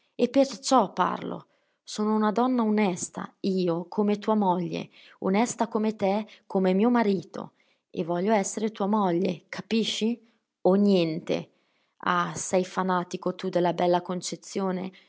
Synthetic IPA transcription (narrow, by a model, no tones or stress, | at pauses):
epːert͡ʃɔpːa̰rlo̰ | soːnounad̪ɔnːaonɛst̪a̰iːokʰomet̪uːamoʎːḛ | onɛst̪akomet̪ekːomemiːomaɾiːt̪o̰ | ḛvːɔʎːoɛsːeɾet̪uːamɔʎːḛkʰapiʃːi | onjɛnt̪ḛ | a̰sɛjfanaːt̪ikot̪ud̪elːabɛlːakont͡ʃet̪sːjoːnḛ